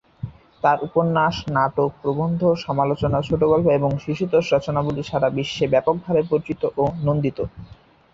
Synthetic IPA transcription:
t̪aɾʔupoɾnːaʃnaʈok̚pɾobond̪ʱoʃɔmalot͡ɕonat͡ɕʰoʈoɡɔlpaeboŋʃiʃut̪oʃɾɔt͡ɕonabuliʃʰaɾabiʃːebɛpok̚bʱaɾepoɾt͡ɕit̪oʔonond̪it̪o

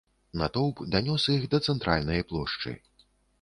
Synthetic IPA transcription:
nɐt̪ɔwpd̪anʲɔsixd̪ɐt̪sɛnt̪ɾʔa̰lʲnɐjɐplˠɔʂt͡ʂɨ̰

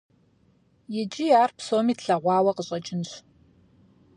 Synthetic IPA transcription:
jɪt͡ʃʼijaːrpsoːmiːtʰɬɐʁʷɑːwɐqəɕʼɐt͡ʃʼɪnɕ

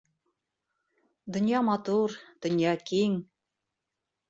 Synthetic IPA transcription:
d̪ŏnʲjɑmɑt̪urd̪̥ŏnʲjɑkiŋ

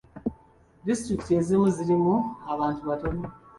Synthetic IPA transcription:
distɾikte̞zimuziɾimuaβaːntuβatone

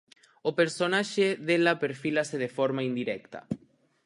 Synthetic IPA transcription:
opeɾsonaʃeðelapeɾfilaseðefoɾmaind̪iɾɛkt̪a̰

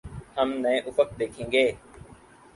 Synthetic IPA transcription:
həmnəẽʔʊfək̚d̪eːkʰẽːŋɡeː

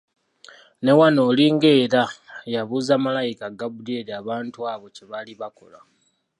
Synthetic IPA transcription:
ne̞wano̞ːliŋɡe̞ːɾajaβuːzamalajikaɡabudeɾiaːβaːntuaːβo̞ceβaliβako̞̰la̰

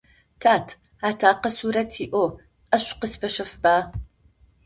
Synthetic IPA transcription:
tʰaːtʰ | aːtʰaːqɐsuːɾɐtʰiːʔo | ɐɕqəsfɐʃɐfbaː

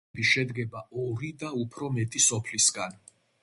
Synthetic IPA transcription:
biʃɛd̪ɡɛbaɔɾid̪aupʰɾɔmɛt̪ʼisɔpʰlisɡan

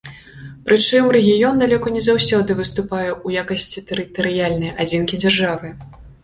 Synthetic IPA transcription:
pɾʔɨt͡ʂɨmrɛɣʲijɔnd̪alʲɔkɐnʲɛzawsʲɔd̪ɨvɨst̪upajɛujakɐsʲt͡sʲit̪ɛɾɨt̪ɐɾɨjalʲnɐjad͡zʲinkʲid͡zʲarʐavɨ

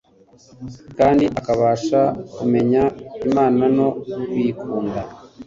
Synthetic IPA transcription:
kaːndiʔakaβaːʃakume̞ɲaimaːnano̞wiːkʰuːnda

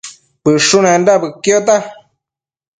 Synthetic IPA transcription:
pɨʂunẽndaβɨkjot̪̬a

